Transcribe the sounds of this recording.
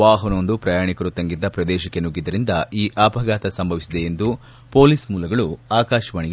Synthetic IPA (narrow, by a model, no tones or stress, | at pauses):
ʋaːɦɐnond̪upɾɐjaːɳikɐɾut̪ɐŋɡid̪ːɐpɾɐd̪ɛːʃɐkːenuɡid̪ɐɾind̪ɐiːʔapɐɡaːt̪ɐsɐmbʱɐʋisid̪eend̪u | po̞ːlismuːlɐɡɐɭuaːkaːʃɐʋɐɳiɡ